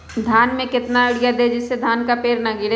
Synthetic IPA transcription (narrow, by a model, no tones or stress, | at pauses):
d̪ʱaːnmẽkɪt̪naʊɽɪjad̪ed͡ʒɪsːed̪ʱaːnkapeːɾnaɡɪɽ